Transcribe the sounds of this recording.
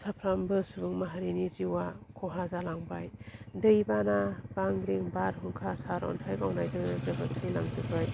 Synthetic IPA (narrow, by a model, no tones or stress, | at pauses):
sapʰɾambɯsubɯŋmaɦaɾiniziwakʰɔɦazalaŋbajdɯjbanab̥aŋɾiŋbaɾɦɯŋkʰasaɾɔ̰ntʰajkawnajzɯŋnɯzɯbɯtʰɯjla̰ŋzɯbʰaj